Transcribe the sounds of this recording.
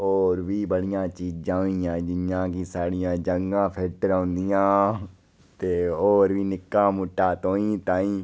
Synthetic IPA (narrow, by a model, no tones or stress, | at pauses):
oːɾʋiːbəɽɪjãːt͡ʃiːd͡ʒd͡ʒãːĩːãːd͡ʒɪjãːkisaːɽɪjãːd͡ʒəŋɡãːpʰɪlʈəɾãːnd̪ijãː | t̪eːoːɾʋiːnɪkːãːmʊʈːaːt̪õːĩːt̪ãːĩː